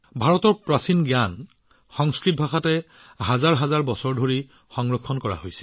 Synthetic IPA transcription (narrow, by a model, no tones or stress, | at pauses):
bʱaɹɔtɔɹpɹasinɡjan | xɔŋskɹit̚bʱaxatɛ | ɦazaɹɦazaɹbɔsɔɹdʱoɹi | xɔŋɹɔkʰːɔnkɔɹa̰hojsɛ̥